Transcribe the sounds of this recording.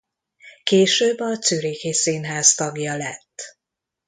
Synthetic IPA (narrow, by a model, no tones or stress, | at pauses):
keːʃøːbːɒt̪syɾeːkesiːnɦaːst̪ɒɡjɒlɛt̪ː